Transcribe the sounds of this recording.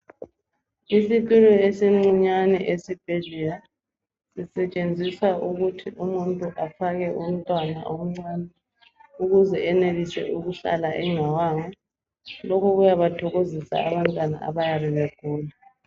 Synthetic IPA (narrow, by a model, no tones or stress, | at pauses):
isitʼulɔesiŋ͡ǀiɲanɛʔesib̥ʱeɮila | sisɛt͡ʃʼend͡zʱisauɣutʰiʔumuntʼuʔafaɣɛʔum̩tʼwana̰ʔom̩ŋ͡ǀaːnɛ | uɣuzɛɛnelisɛ̰ʔuɣuɬa̰laʔɛŋawaŋa | lɔkʰɔɣujaβatʰɔɣozisa̰aβantʼwana̰a̰βajariβɛkuːla